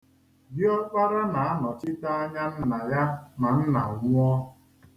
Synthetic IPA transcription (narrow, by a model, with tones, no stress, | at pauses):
bɪ˦ɔ˦k͡pa˦ɾa˦na˨a˦nɔ˨t͡ʃɪ˦ta˦a˦ɲa˦n̩˦na˨ja˦na˨n̩˦na̰˨ŋʊ˦ɔ˦